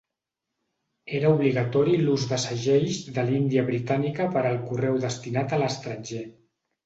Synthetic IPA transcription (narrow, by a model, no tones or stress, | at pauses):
eɾəuβliɣət̪ɔɾiluzðəsəʒɛjʒðəlind̪iəβɾit̪anikəpəɾəlˠkurɛwðəst̪inat̪ələst̪ɾənʲʒe